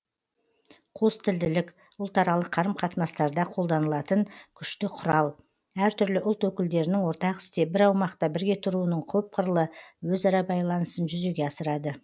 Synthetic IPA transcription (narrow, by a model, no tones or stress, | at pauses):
qʰost̪ɪld̪ɪlɪk | ʊlˠt̪ɑɾɑlˠəqʰːɑɾəmqʰɑt̪ənɑst̪ɑɾd̪ɑqʰo̞lˠd̪ɑnəlˠɑt̪ənkʲʰʏʃt̪ɪqʰʊɾɑlˠ | æɾt̪ʰʏɾlɪʔʊlˠt̪wɵkʲɪld̪e̞ɾɪnɪŋwo̞ɾt̪ɑqɪ̥st̪e̞bɪɾɑwmɑqt̪ɑbɪɾɡʲe̞t̪ʰʊɾuənəɴqʰɵp̚qʰəɾəlˠəwɵzɑɾɑbɑjlˠɑnəsənʒʏze̞ɡʲe̞ɑsəɾɑd̪ə